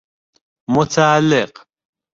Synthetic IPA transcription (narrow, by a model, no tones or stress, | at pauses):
mʊt̪ʰaːalːɪq